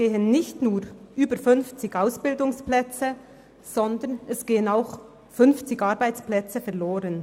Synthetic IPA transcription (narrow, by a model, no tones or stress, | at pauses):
ɡ̥eːənːɪçtnuːʁʔyːbəɾfʏnft͡sɪɡaʊsb̥ɪldʊŋsplɛt͡sə | z̥ɔndənɛsɡ̥eːənaʊx | fʏnft͡sɪɡaʁbaɪt͡splɛt͡səfɛʁloːʁən